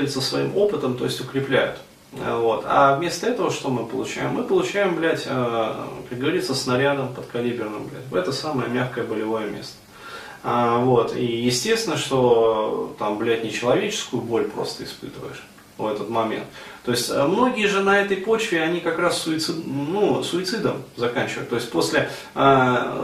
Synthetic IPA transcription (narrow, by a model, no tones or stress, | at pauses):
ɾʲit̪səsvɐimo̞pɨt̪əmt̪o̞̰ɪsʲtʲʊkɾʲɪplʲæ̰jʊ̰t̪ | vo̞t̪ʰa̰vmʲe̞st̪əɛt̪əvəʂt̪o̞mɨpəlˠʊt͡ɕæ̰jɪmːɨpəlˠʊt͡ɕæjɪmblʲætʲəkɐkɡəvɐɾʲit̪səsnɐɾʲad̪əmpət̪kɐlʲibʲɪrnɨmblʲæ̰tʲt̪ɛt̪əsaməjə̰mʲaxkəjəbəlʲɪvo̞jəmʲe̞̰st̪ə̥ | avo̞t̪ijɪsʲtʲest̪ʲɪnːəʂt̪o̞t̪amblʲætʲnʲɪt͡ɕɪlˠɐvʲet͡ɕɪ̥skʊjʊbo̞lʲpɾo̞̰st̪əɪspɨ̰t̪ɨvə̰jɪ̰ʂ | vɛt̪ət̪mɐmʲe̞̰nt̪ːo̞ɪsʲtʲəmno̞ɡʲɪjəʐɨnɐɛt̪əjpo̞t͡ɕvʲɪɐnʲikɐkɾasːʊɪt̪sɨnusʊɪt̪sɨd̪əmzɐkanʲt͡ɕɪvə̰j̰t̪ːo̞ɪsʲtʲpo̞sʲlʲɪ | a